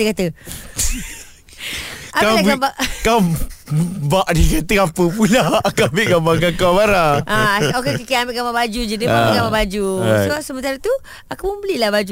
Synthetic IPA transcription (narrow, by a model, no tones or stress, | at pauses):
ekat̪ə | apaaabaʔkaw | baʔdikat̪əapəp̬ulaakaambeʔɡabakakabaɾaaokekikiambeʔkamabad͡ʒud͡ʒiniaamekamabad͡ʒusəasəmənt̪aɾət̪u | akamubəlilahbad͡ʒu